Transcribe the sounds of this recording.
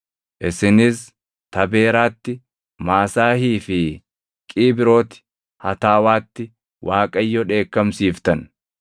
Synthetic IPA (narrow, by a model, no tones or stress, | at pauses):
ʔɪsɪnɪs | t̪ɐbe̞ːɾaːt̪ːɪ | maːsaːhiːfɪ | kʼiːbɪɾo̞ːt̪ɪ̥ | hɐt̪aːwaːt̪ːɪ | wʔaːkʼɐjːɔᶑe̞ːkːɐmsiːft̪ɐn